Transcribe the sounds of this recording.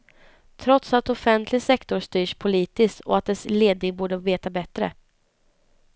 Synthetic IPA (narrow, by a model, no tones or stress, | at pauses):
t̪ʰɾɔt̪sat̪ɔfɛnt̪ʰlɪsɛkt̪ɔst̪yːʂpʰʊliːt̪ɪst̪ɔ̰at̪̚d̪ɛsleːd̪̚nɪŋbuːɖəveːt̪abɛt̪ɾə̰